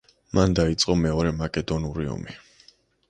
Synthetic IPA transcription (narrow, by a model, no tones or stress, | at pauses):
mand̪ait̪sʼqʼɔmɛɔɾɛmakʼɛd̪ɔnuɾiɔ̰mi